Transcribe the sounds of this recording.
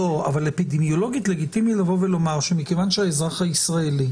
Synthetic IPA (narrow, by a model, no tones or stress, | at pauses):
oa̰valːepid̪emjo̞lo̞ɡjit̪le̞ɡit̪imitlavo̞velo̞maʁʃemikevanʃeaezʁaχaisʁaeli